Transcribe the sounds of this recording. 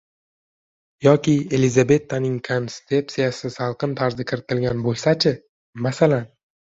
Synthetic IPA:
jɒkʲɪe̞lizabe̞t̪ʰːanɪŋkʰamst̪e̞psijasɪsalˠqɨnt̪ʰaɾzɪkʲʰɪɾɪt̪ʰɪlɡʲanbojʲsat͡ʃʰɪ | masalan

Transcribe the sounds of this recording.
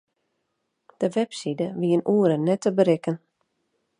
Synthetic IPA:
d̥əʋɛpsidəʋiənʔuəɾənːɛtəbəɾɪkən

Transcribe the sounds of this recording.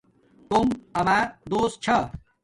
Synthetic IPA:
t̪umɐmad̪oːst̪̚t͡ɕʰɐ

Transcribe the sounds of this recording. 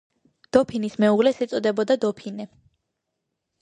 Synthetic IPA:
d̪̥ɔpʰinismɛuʁlɛsɛt̪sʼɔd̪ɛbɔd̪ad̪ɔpʰinɛ

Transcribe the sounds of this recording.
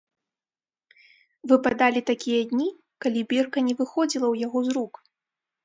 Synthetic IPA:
vɨpad̪alʲit̪akʲijɐd̪ʲnʲi | kalʲibʲirkɐnʲɛvɨxɔd͡zʲilˠɐwjaɣɔzɾuk

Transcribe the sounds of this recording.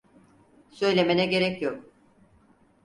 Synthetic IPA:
sø̞jlʲe̞menɛɟe̞ɾɛcjok

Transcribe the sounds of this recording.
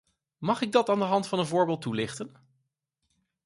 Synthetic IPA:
mɑχɪɡ̚dɑtaːndəɦɑntfɑnənvʊːɹbɪːlˠtːulɪχtən

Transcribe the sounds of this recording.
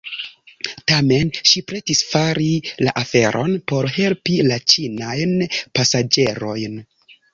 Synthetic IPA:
tame̞nʃipɾe̞tisfaɾila̰ʔafe̞ɾʔo̞̰npo̞ɾɦe̞lpilat͡ʃinajnpasad͡ʒe̞ɾo̞jn

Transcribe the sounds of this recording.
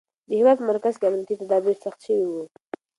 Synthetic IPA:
d̪əhɪwɑd̪pəmaɾkazkeamnijat̪it̪ad̪ɑbeɾsaxt̪ʃəwiwu

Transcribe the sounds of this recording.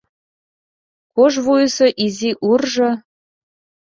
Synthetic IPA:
koʒβujəsɤʔiziʔurʒɤ̆

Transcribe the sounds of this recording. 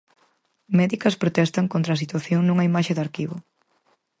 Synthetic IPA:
mɛðikɐspɾot̪ɛst̪ɐŋkont̪ɾaːs̬it̪waθjoŋnuŋɐimaʃed̪aɾkiβʊ

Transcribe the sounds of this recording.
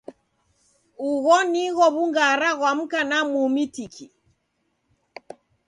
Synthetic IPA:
uɣɔniɣɔβuŋɡaɾaɣwam̩kanamumitikʰi

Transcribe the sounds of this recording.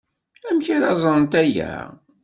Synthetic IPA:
æmçaɾɑzˤənt̪æjæ̰

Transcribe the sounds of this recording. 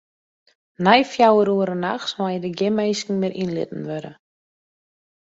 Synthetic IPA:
najfjawəɾuəɾənaxsmajədəɡɪmejskn̩mɪɾʔinlɪ̰tn̩ʋøɾə

